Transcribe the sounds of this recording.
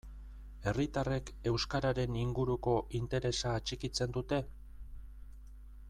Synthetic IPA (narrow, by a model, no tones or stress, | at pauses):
e̞rit̪are̞ke̞wskaɾaɾe̞niŋɡuɾuko̞ʔint̪e̞ɾe̞saːt͡ʃikit͡se̞nd̪ut̪e̞